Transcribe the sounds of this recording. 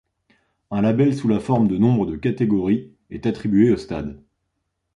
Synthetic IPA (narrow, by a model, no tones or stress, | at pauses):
ɛ̃labɛlsulafɔʁmd̪ənɔ̃bʁəd̪əkat̪eɡɔʁi | ɛ̰t̪at̪χibɥeost̪a̰d̪